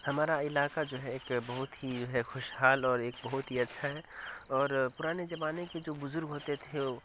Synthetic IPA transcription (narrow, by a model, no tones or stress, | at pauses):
hɐmaːɾaɪlaːkad͡ʒoːɦɛeːkbɐɦʊt̪ɦid͡ʒoːɦɛxʊʃɦaːlɔːɾeːk̚bɐɦʊt̪ɦiɐtːʃʰaɦɛɔːɾpʊɾaːned͡ʒɐbaːneked͡ʒoːbʊzʊɾɡɦoːt̪et̪ʰeo